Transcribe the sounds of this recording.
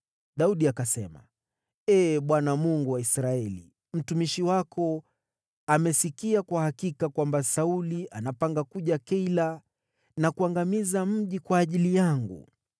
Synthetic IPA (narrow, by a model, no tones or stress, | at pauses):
ɗauɗiakasɛma̰ | ɛːɓwanamuŋɡuwaisɾaɛlḭ | m̩tumiʃiwakɔ | amɛsikiakwahakikakwambasauliʔanapaŋɡakuʄakɛila | nakuaŋɡamizam̩ʄikwaːʄilijaŋɡṵ